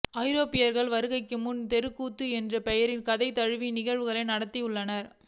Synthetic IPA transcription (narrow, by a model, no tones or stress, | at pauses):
ɐɪɾoːpɪjɐɾɣɐɭʋɐɾɯɣɐɪkːɯmʊnt̪ɛɾɯkːuːt̪ːɯɛndrɐpɛjɐɾɪnkɐðɐɪt̪ːɐɻɯʋinɪɣɐɻʋɯɣɐɭɐɪnɐɽɐt̪ːijɯɭːɐnɐɾ